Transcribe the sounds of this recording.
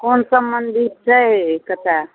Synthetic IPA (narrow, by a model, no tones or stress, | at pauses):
konsəmbənd̪ʱit̪̚t͡ʃʰəɦkət̪a